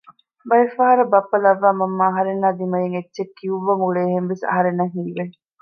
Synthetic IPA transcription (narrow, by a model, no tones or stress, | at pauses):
bɐjefɐɦɐɾɐbɐpːɐlɐʋːaːmɐmːaːɦɐɾenːaːd̪imɐjeŋetːʃekːiuʋːɐmuɭeːɦemʋesɐ̰ɦɐɾenːɐŋɦiːʋe